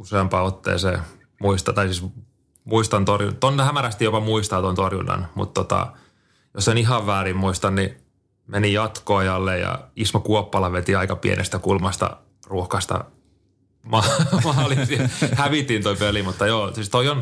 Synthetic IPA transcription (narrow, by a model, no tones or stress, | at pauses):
useɑmpɑot̪ːḛːseː | muist̪ɑt̪ɑisis | muist̪ɑnt̪orjunt̪onːehæmæɾæst̪ijopɑmuist̪ɑːt̪ont̪orjṵnːɑ̰nmṵt̪t̪ːot̪ɑ̰ | josseniɦɑʋːæːrimmuist̪ɑnni | menijɑt̪koɑjɑlːejjɑ̰ismokuopːɑlɑʋet̪iɑikɑpḭḛnʔḛst̪ækulmɑst̪ɑ̰ | ruohkɑst̪ɑ̰ | mɑmɑːlisɑhæʋit̪ːint̪oipelimut̪ːɑjoːsiːst̪oion